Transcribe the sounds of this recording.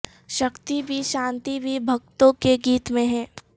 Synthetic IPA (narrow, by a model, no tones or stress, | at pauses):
ʃɐkt̪ibʱiʃãːnt̪ibʱibʱɐk̚t̪õkeɡiːt̪mẽɦɛ̃ː